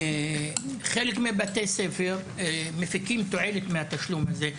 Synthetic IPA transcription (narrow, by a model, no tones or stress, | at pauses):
χelekmebat̪esefeʁ | mefikimt̪oʕelet̪mehat̪aʃlumhaze